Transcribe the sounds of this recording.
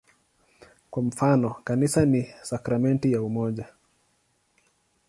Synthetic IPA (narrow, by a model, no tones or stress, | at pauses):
kwam̩fanɔkanisanisakɾamɛntijaumɔʄa